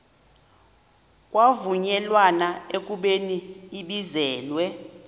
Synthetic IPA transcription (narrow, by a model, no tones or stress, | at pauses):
k̬ʼwavuɲɛlwanaek̬ʼuɓeniːɓizɛːlwɛ